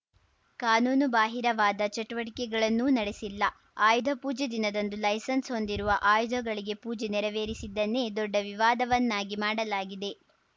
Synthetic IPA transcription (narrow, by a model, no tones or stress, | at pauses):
kaːnuːnubaːɦiɾɐʋaːd̪ɐt͡ʃɐʈuʋɐʈikɛɡɐɭɐnːunɐɽesilːɐ | aːjud̪ʱɐpuːd͡ʒed̪inɐd̪ɐnd̪ulɐjsɐnsɦo̞nd̪iɾuʋɐʔaːjud̪ʱɐɡɐɭiɡe̞puːd͡ʒenɛɾɐʋeːɾisid̪ːɐnːed̪ɔɖːɐʋiʋaːd̪ɐʋɐnːaːɡimaːɽɐlaːɡid̪e̞